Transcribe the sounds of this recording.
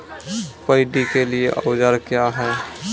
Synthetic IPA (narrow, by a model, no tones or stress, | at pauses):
pəɪɖikelieʔə̰ʊd͡ʒəɾkjaɦɛː